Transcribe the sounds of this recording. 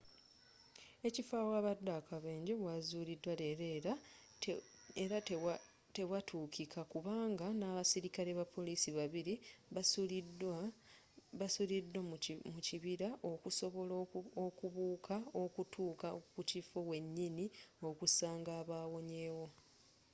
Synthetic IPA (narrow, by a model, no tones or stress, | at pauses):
e̞cifaːwaːβadːakaβeːɲɟeβwazuːlidwale̞ɾeɾa | eɾa | te̞βwatʰuːkʰikʰakuβaːŋɡanaːβasiɾikale̞βapʰːo̞liːsiβaβiɾiud | βasulidːwamuciβiɾaʔo̞kuso̞βo̞lokuβuːkʰao̞kutʰuːkakucifo̞we̞ɲːinio̞kusaːŋɡaːβaːwo̞ɲe̞ːwo̞